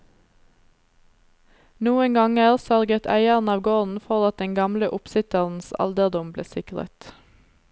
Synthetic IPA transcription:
nuːəŋɡɑŋæːʁsœʁɡət̪ʰæ̰ɪəʁn̩ɑːʋɡoːʁn̩fɔʁɑt̪̚d̪ɛŋɡɑmləʔʊpsɪt̪əʁn̩sɑ̰ld̪əʁd̪ʊmblḛːsɪkʁə̰t̪

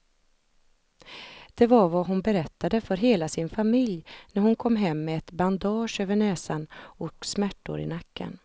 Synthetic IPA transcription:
d̪̥ɛvaɾvaɦʊnbɛɾɛt̪ːad̪əfœɾɦeːlasɪnfamɪljnæɾhʊnkʰɔmːɦɛmːɛːt̪band̪ɑːʂøːvəɳɛːsanɔksmæʈːʊ̰ɾɪ̰nakːə̰n

